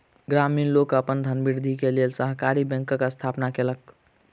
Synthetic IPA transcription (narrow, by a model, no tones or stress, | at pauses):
ɡɾaminlokəpənd̪ʱənbiɾd̪ʱikelelsəɦkaɾibɛ̃ŋkkast̪ʰapnakelək